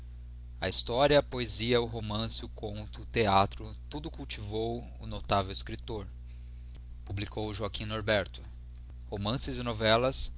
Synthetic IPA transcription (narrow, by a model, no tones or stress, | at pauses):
ɐ̰ist̪ɔɾiɐpoeziɐʊɦomɐ̃sɪʊkʰõnt̪ʊt̪eat̪ɾʊt̪ud̪ʊkuwt͡ʃivow | ʊnot̪avewɪskɾit̪oɾ | publikʰowʊʒoakĩnoɾbɛɾt̪ʊ̥ | homɐ̃sɪzɪnovɛlɐs